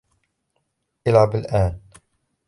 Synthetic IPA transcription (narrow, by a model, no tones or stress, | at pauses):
ʔalʕabalʔaːn